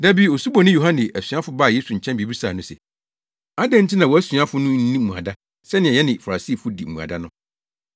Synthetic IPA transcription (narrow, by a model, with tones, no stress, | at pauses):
dæ˦bi˦o˨su˦bɔ˨nɪ̃˦jo˨ɦã˦nɪ˨ʔæ˨sɥa˦fʊ˦baː˦˨je˦su˨ɲ̩˨t͡ɕʰɛ̃˦mbi˨bi˦saː˨nʊ̃˦sɛ̰˨ | a˦dɛ̃˦n̩˦tʰi˦nã˨wɔ˨æ˦sɥa˦fʊ˦nʊ̃˦n̩˦nĩ˦m̩˨ũ˨a̰˨da˦ | sɛ˦nɪ̃˨ɛ˨ɛ˦nɪ̃˨fa˨ɾa˨si˦˨fʊ˦dḭ˨m̩˨mũ˨a̰˨da˦nʊ̃˦